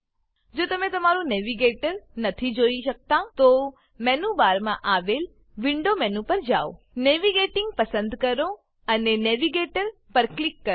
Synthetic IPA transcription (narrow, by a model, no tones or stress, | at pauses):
d͡ʒoːt̪ɐmẽt̪ɐmaːɾũnɛːʋiɡeːʈəɾnət̪ʰid͡ʒoːiʃək̚t̪at̪o | mɛ̃nũbaːɾmãʔaːʋeːl | ʋɪ̃ɳɖomɛ̃nũpəɾd͡ʒaːo | neːʋiɡeʈɪ̃ŋɡ̚pəsə̃nd̪kəɾo | ənenɛːʋiɡeːʈəɾ | pəɾklɪkːə